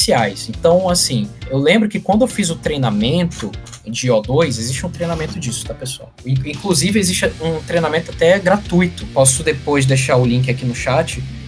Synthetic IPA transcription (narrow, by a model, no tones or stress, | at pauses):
siajsẽt̪ɐ̃w̃asĩewlẽmbɾʊkɪkwɐ̃nd̪ʊewfizʊt̪ɾejnamẽnt̪ʊ | d͡ʒɪɔd̪ojzezist͡ʃɪũt̪ɾejnamẽnt̪ʊd͡ʒisʊ̥d̪ɐpesoa̰ĩĩkluzivɪezist͡ʃũt̪ɾejnamẽnt̪ʊat̪ɛɡɾat̪ujt̪ʊpɔsʊd̪epojzd̪eʃaʊlĩk̬ɪakinʊʃat͡ʃɪ